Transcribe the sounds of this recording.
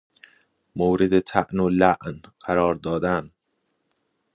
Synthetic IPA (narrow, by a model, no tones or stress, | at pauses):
moːɾed̪et̪ʰæʔnolæʔnɢ̥æɾɒːɾd̪ɒːd̪æn